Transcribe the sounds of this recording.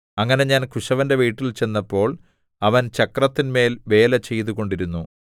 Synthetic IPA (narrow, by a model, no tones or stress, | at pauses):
ɐŋːɐne̞ɲaːnkʰuʂɐʋɐnde̞ʋiːʈːilt͡ɕe̞nːɐpːo̞ːɭ | ɐʋɐnt͡ɕɐkrɐt̪ːinme̞ːlʋe̞ːlɐt͡ɕe̞jt̪̬uɣo̞ɳɖiɾunːu